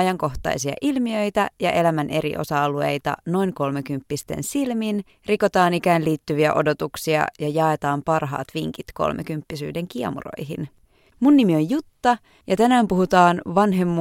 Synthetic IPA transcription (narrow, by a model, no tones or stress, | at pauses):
ɑjɑŋko̞ht̪ɑ̰jsiɑ̰ʔilmiøjt̪æjɑʔe̞læmænʔe̞ɾḭʔo̞̰sɑlue̞̰jt̪ɑ̰no̞iŋko̞lmekympːist̪e̞̰nsilmin | riko̞t̪ɑːnikæːnliːt̪ːyʋiæ̰ʔo̞̰do̞t̪uksiɑ̰jɑjɑet̪ɑːmpɑrɦɑ̰ːt̪ʋiŋkit̪ko̞̰lmʔḛkympːisy̰ːde̞ŋk̟iɑ̰mṵro̞̰jɦin | munːimio̞jjut̪ːɑ | jɑt̪ænæːmpuhut̪ɑːnʋɑnɦe̞mːu